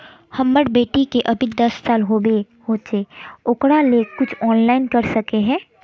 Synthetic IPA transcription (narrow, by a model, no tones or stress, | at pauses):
hɐmːəɽbeːʈikeʔɐbʱid̪ɐsːaːlɦoːbe | hoːt͡ʃeːʊkɽaleːkːʊt͡ʃʰɔːnlaːɪnkɐɾsɐkeɦɛ̃ː